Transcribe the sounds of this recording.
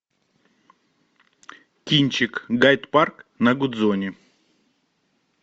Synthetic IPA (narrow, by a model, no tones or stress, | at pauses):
kʲinʲt͡ɕɪkɡajt̪parknɐɡʊd̪zonʲɪ